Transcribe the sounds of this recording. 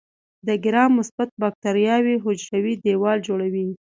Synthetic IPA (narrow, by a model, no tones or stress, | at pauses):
d̪əɡɪɾɑmːʊsbat̪̚bɑk̚t̪aɾjɑwiɦʊd͡ʒɾawid̪ewɑld͡ʒoɽawi